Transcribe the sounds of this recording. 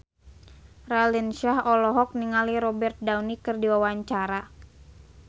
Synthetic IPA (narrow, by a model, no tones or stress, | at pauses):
ralinʃahɔlɔɦɔk̚niŋaliɾɔbɛrt̪̚dawnikɨrdiwawaɲt͡ʃaɾa